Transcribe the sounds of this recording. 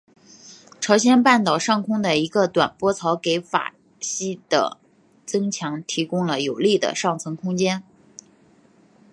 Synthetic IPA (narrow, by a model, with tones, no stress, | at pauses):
ʈ͡ʂʰɑ˧˥ʊɕ̬jɛ˥npa˥˩nt̪ɑ˨˩ʊʂɑ˥˩ŋkʰʊ˥ŋd̪ə˨i˧˥ɡə˧t̪wa˨˩npwɔ˥t͡sʰɑ˧˥ʊke˧˥ɪfa̰˨˩ | ɕi˥d̪̥ə̰˩ | t͡sɤ˥ŋt͡ɕʰjɑ˧˥ŋt̪ʰi˧˥kʊ˥ŋlə˨jo˨˩ʊli˥˩d̪ə̰˩ʂɑ˥˩ŋt͡sʰɤ˧˥ŋkʰʊ˥ŋt͡ɕjɛ˥n